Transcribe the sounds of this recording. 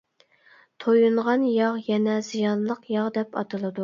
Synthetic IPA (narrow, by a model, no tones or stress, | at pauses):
t̪ʰojuɴʁɑnjɑʁjɛnɛzijɑnlˠəqjɑʁd̪ɛpɑ̰t̪ʰɨlˠɨd̪u